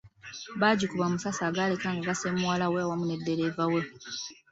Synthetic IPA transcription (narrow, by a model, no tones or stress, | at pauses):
βaːɟukuβamusasaːɡaːle̞kaːŋɡaɡasemuwalaweawamune̞dːe̞ɾeːvawe